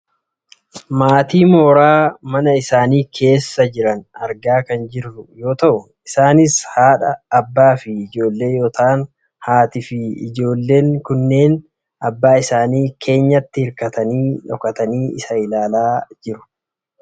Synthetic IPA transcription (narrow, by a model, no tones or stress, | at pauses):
maːt̪iːmo̞ːɾaːmɐnɐɪsaːniːkʰe̞ːsːɐd͡ʒɪɾɐnɐɾɡaːkɐnd͡ʒɪrːʊjo̞ːt̪ɐʔʊ | ɪsaːnɪshaːᶑɐːbːaːfɪɪd͡ʒo̞ːlːe̞ːjoːt̪aːn | haːt̪ɪfɪɪ̰d͡ʒo̞ːlːe̞ːŋkʊnːe̞ːn | ʔɐbːaːɪsaːniːkʰe̞ːɲːɐt̪ːɪhɪɾkɐt̪ɐniːᶑɔkɐt̪ɐniːɪ̰sɐɪlaːlaːd͡ʒɪɾʊ̥